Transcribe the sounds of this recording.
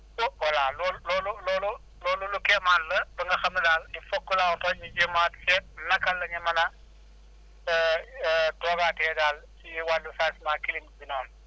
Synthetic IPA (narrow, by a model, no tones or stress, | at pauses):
wwɐlaːlɔːllɔːlulɔːlu | lɔːlulukɛmaːnlɐbɐŋɡɐxɐmilaːlifɔkːulawtɔɲid͡ʒimaːtsɛt̚nɐkɐlːɐɲɐmɐnɐ | tɔːɡatɛːdaːlsiiwalːusaːsmaːkilimbinɔːn